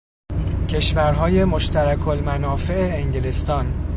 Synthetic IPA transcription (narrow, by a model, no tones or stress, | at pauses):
cʰe̞ʃvæɾɦɒːje̞moʃt̪ʰæɾækʰolmænɒːfe̞ʔeːŋɟelest̪ɒːn